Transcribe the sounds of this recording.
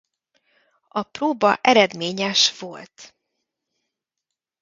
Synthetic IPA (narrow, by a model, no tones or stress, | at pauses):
ɒproːbɒ̰ʔɛɾɛd̪meːɲɛʃʋo̞̰lt̪